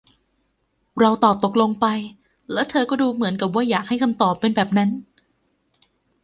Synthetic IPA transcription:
ɾa˧wt̪ɔː˨˩p̚t̪o˨˩k̚lo˧ŋpa˧j | lɛː˦˥wt̪ʰɤː˧kɔː˥˩duː˧mɯ˩˦ənka˨˩p̚waː˥˩jaː˨˩k̚ha˥˩jkʰa˧mt̪ɔː˨˩pːe˧nbɛː˨˩p̚na˦˥n

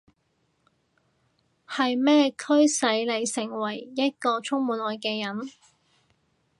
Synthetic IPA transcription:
hɐ˨jmɛː˥kʰɵ˥ɥsɐ˨˥jle˨˧jsɪ˨˩ŋwɐ˨˩jjɐ˥t̚kɔː˧t͡sʰʊ˥ŋmuː˨˥nlɔː˨jkɛː˧jɐ˨˥n

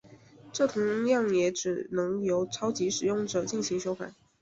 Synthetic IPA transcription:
ʈ͡ʂɤ˥˩t̪ʰʊ˧˥ŋljɑ˥˩ŋjɛ˧˥ʈ͡ʂɻ̩˨˩nɤ˧˥ŋjo˧˥ʊʈ͡ʂʰɑ˥ʊt͡ɕi˧˥ʂɻ̩˨˩jʊ˥˩ŋʈ͡ʂɤ˨˩t͡ɕi˥˩nɕi˧˥ŋʂo˥ʊka̰˨˩˦

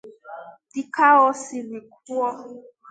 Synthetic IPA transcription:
di˦ka˦ɔ˦si˨li˨k̚u˦ɔ˦

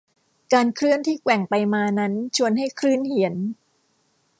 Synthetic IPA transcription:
kaː˧nkʰɾɯ˥˩ənt̪ʰiː˥˩kwɛ˨˩ŋpa˧jmaː˧na˦˥nt͡ɕʰu˧ənɦa˥˩jkʰɾɯː˥˩nhi˨˩˦ən

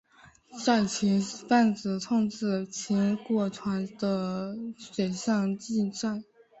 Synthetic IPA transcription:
ʈ͡ʂa˥˩nt͡ɕʰi˧˥ŋ˥˧fa˥˩nt͡sɹ̩˨˩t͡sʰʊ˥˧ŋʈ͡ʂɹ̩˥˩t͡ɕʰi˧˥nkwɔ˥˩ʈ͡ʂʰwa˧˥nd̪ə˧ʂwe˨˩ɪɕjɑ˥˧ŋt͡ɕi˥˧nʈ͡ʂa˥˩ɪ

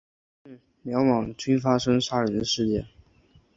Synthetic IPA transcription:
mjɑ˧˥ʊmɑ˨˩ŋt͡ɕy˥nfa˥ʂɤ˥ŋʂa˥˩ɻɛ˧˥nd̪ə˧ʂɻ̩˥˧t͡ɕjɛ˥˩

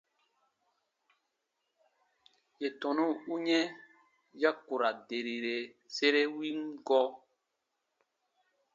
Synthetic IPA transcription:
je˨tɔ̃˨nũ˦u˦ɲɛ̃˦ | ja˦ku˨ɾa˨de˨ɾi˨ɾe˨ | se˦ɾe˦wi˦mɡɔ˦

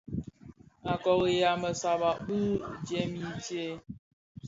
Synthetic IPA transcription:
a˨kɔ˨ɣi˨ja˨mə˨sa˨ba˨ʔbu˦d͡ʒjɛ˦mi˦tje˦

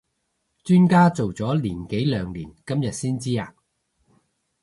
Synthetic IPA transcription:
t͡ʃyː˥nkaː˥t͡so˨wt͡sɔː˨˥liː˨˩nke˨˥jlœː˨˧ŋliː˨˩nkɐ˥mjɐ˨t̚siː˥nt͡siː˥a̰ː˨˧

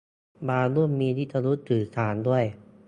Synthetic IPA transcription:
baː˧lu˥˩əmːiː˧t̪ʰiː˥˩t͡ɕa˧ɾu˦˥t̪ʰːɯː˨˩sʰaː˩˦ndu˥˩əj

